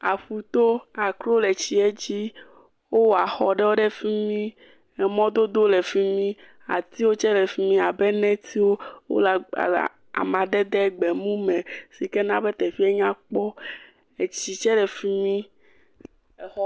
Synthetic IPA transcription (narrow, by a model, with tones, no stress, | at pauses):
a˨ɸu˨t̪o˦a˨klo˦le˨t͡ɕi˨e˦d͡ʑi˦ | wo˦wo˨a˨xɔ˨ɖɛ˦wo˦ɖe˦fi˦mĩ˦ | ɛ˨mɔ̃˦d̪o˦d̪o˦le˨fi˦mĩ˦ | a̰˨t̪i˦wo˦t͡ʃɛ˦lɛ˨fi˦mĩ˦a˨bɛ˦nɛ̃˦t̪i˦wo˦wo̰˦la̰˨ | a̰˨mã˨d̪ɛ˦d̪ɛ˦ɡ͡be˨mũ˦mɛ̃˨si˨ke˦nã˦be˦t̪ɛ˨fi˦ɛ˦ɲã˦k͡pɔ˦ | e˨t͡ɕi˨t͡ʃɛ˦lɛ˨fi˦mĩ˦˨ | ɔ˦